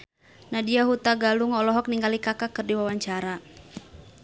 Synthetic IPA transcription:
nadiaɦut̪aɡaluŋɔlɔɦɔk̚niŋɡalikakakɨrdiwawaɲt͡ʃaɾa

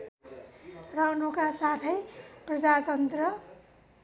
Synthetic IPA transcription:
rawnukasat̪ʰʌjprʌd͡zat̪ʌnt̪rʌ

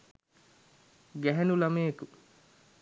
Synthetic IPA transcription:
ɡæɦænulameːku

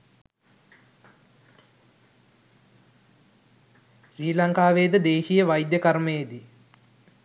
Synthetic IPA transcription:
ʃriːlɐŋkaːʋeːd̪əd̪eːʃijəʋɐjd̪jəkɐɾməjed̪i

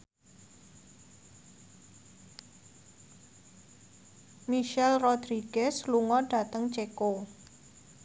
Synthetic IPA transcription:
miʃɛlrod̪ɾiɡ̥ɛsluŋɔɖ̥ä̤t̪əŋt͡ʃeko

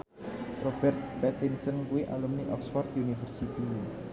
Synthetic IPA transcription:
rob̥ɛrt̪̚pɛt̪insənkuiʔa̰lumniʔɔksfɔrt̪unifərsit̪i

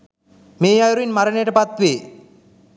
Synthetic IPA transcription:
meːajɾuinmaɾənejɐʈəpat̪ʋeː

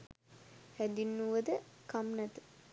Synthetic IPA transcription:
hæd̪inːuʋəd̪əkamnɛt̪ə̥

